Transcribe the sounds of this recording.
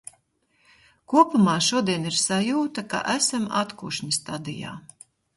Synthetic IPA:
kuɔpumaːʃuɔd̪iɛniɾsajuːt̪aka̰ʔæsamat̪kuːʃɲist̪ad̪ḭja̰ː

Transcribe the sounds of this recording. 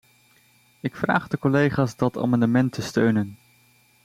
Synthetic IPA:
ɪkfra̰ːχdəkɔlejχaːsdɑta̰ːmɑndəmɛntəstøɥnən

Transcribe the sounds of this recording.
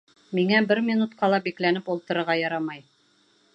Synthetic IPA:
miŋæbɘɾmʲinut̪̚qʰɑlˠɑbiklænɘpulˠt̪ɤ̆ɾɤ̆ɾʁɑjɑɾɑmɑj

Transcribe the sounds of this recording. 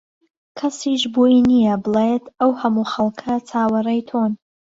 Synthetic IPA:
kʰɐsiʃboːinijɐbɨlˠejt̪ʰɐwhɐmuːxɐlˠkʰɐt͡sʰaːwɐrɐjt̪ʰoːn

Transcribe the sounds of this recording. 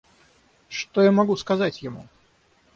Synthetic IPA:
ʂt̪ojamɐɡuskɐzatʲjɪmṵ

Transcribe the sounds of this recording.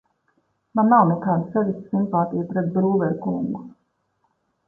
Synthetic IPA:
manːawnɛkaːd̪asɛvist̪simpaːt̪ijpɾɛt̪̚bɾuːvɛɾkuŋɡu

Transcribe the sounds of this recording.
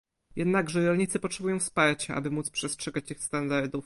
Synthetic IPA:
jɛd̪naɡʐɛɾɔlɲit̪sɘpɔtʂɛbujɔ̃w̃fspaɾt͡ɕaʔa̰bɘmut̪spʂɛstʂɛɡat͡ɕixst̪and̪aɾd̪uf

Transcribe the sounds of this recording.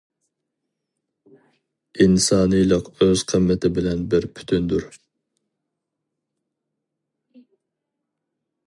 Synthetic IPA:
insɑːnɨjlˠəqøz̥qʰəmːɪt̪ʰɪbɪlɛnbɪɾpʰy̥t̪ʰynd̪uɾ

